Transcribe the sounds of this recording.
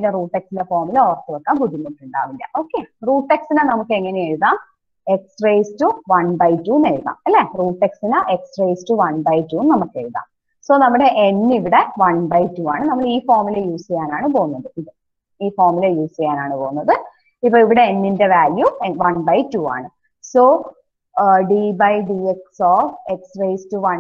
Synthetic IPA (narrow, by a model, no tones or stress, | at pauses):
ɐinːderuːʈːeksindefoːrmilɐoːrɐt̪ːɨʋɐkːaːŋɡuɽinːoʈːuɳɖa̰ːʋilːɐ̰ʔo̞ːkːeruːʈːeksinanɐmukːɨe̞ŋːɐneeɻuðaːm | e̞ksrejstːuʋɐnbɐjtːuːneɻuða̰ːmɐlːeruːʈːeksinaːʔe̞ksrejstuʋɐnbɐjtːuːmnɐmukːɨḛɻuða̰ːm | so̞ːnɐmːuɽe̞ʔenːiʋiɽe̞ʋɐɳbɐjtːuːaːɳɨnɐmːɐɭiːfoːrmilɐjuːsijaːnaːɳɨpoːɣunːɐðɨiðɨ | iːfoːrmilɐjuːsijaːnaːɳɨpoːɣunːɐðɨ | ipːoːiʋiɽe̞ːnːinde̞ʋaːljuʋɐnbɐjtuːa̰ːɳɨ | soː | ɖibɐjɖieksoːfeksrejstuʋɐ